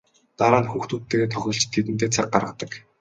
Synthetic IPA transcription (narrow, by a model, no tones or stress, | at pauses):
t̪aɾaːnxuːxt̪uːt̪ʰːeːɣeːt̪ʰɔxʲɞːɬt͡ɕt̪ʰːet̪ɘ̆nt̪̬eːt͡sʰak̚ɢarʁə̆t̪ə̆k